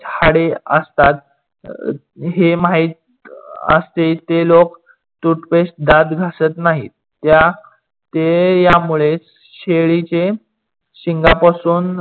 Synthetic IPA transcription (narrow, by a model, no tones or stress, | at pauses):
tʰaɽeə̰st̪at̪ | ɦemaɦiːt̪ | ə̰st̪et̪elok | t̪uʈpeɕd̪ad̪ɡʱasət̪naɦi | t̪ja | t̪ejamuɭet͡s | ɕeɭit͡ɕe | ɕiŋɡapasuːn